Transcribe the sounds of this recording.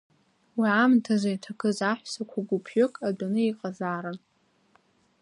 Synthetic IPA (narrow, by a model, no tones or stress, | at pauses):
wiʕamtʰazajtʰakʰɨzaħʷᶣsakʷʰaɡʷupʰjokʼadanɨiqʼazaːɾɨn